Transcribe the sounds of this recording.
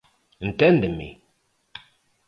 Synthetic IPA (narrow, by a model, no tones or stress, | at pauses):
n̩tɛ̃ndəmḭ